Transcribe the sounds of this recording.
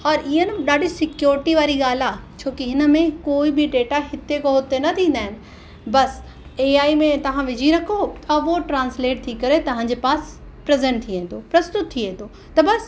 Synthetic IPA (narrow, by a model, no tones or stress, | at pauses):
ɔːɾʔiːənɪ̆ɗaːɖʱisɪkjoːɾɪʈiʋaːɾiɠaːl̤at͡ɕʰoːkiɦɪnəmẽkoːibɪɖeːʈaɦɪt̪ekoɦʊt̪enɐt̪ʰĩːn̆d̪aːɦɪnɪ̆ | bɐs | eːaːimẽt̪ɐʋ̤ãʋɪd͡ʑʱiɾɐkʰot̪ɐʋoʈɾãːnsleːʈ̚t̪ʰikɐɾet̪ɐʋ̤ãɲ̆d͡ʑeːpaːs | pɾɐzẽɳʈ̚t̪ʰːiẽːt̪opɾɐst̪ʊt̪̚tʰːiẽːnd̪o | t̪ɐbɐs